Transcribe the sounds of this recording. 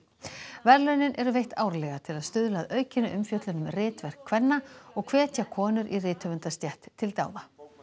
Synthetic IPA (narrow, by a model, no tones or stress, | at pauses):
vɛɾlœɥnɪnʔɛɾʏvejht̪aːwɾlɛɣat̪ʰɪlaðst̪ʏðlaðœːɥcɪnʏʔʏmfjœt̪lʏnʏmrɪːt̪vɛr̥kʰvɛnːaɔɣkʰvɛːt̪jakʰɔːnʏɾʔirɪːt̪hœvʏnt̪ast̪jɛht̪ʰːɪlt̪aːwða